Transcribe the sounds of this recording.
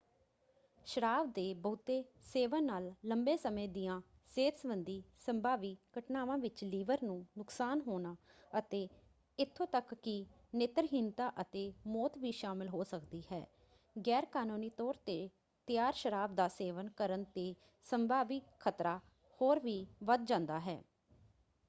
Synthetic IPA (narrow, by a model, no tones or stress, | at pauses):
ʃəɾaːbd̪eːbəʊt̪eːseːʋənaːlːəmbeːsəmẽːd̪ɪjãː | seːt̪sʋənd̪iːsəmbʱaːʋiːkəʈnaːʋãːʋɪt͡ʃliːʋəɾnũːnʊksaːnɦoːnaːət̪eː | ɪt̪ʰːõːt̪əkːɪ | nɪt̪ɾəɦɪnt̪aːʔət̪eːmɔːt̪ʋiːʃaːmɪlɦoːsəkd̪iːɦɛ̰ː | ɡɛːɾkaːnuːniːt̪ɔːɾt̪eː | t̪ɪjaːɾʃəɾaːb̚d̪aːseːʋənkəɾənt̪eː | səmbʱaːʋikkʰːət̪ɾaː | hoːɾʋiːʋəd̪̚d͡ʒãːnd̪aːɦɛ̰ː